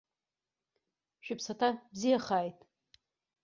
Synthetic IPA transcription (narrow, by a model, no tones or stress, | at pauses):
ʃᶣɪpʰsatʰabzijaχaːjtʼ